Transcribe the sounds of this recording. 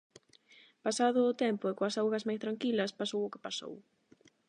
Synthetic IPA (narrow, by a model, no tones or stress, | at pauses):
pasaðʊːt̪ɛmpʊɪkoɐsawɣɐzmajst̪ɾaŋkilɐspasowʊkɪ̥paso̰w